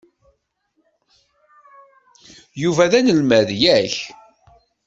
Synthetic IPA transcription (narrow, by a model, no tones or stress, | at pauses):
juvæðænəlmæðjæç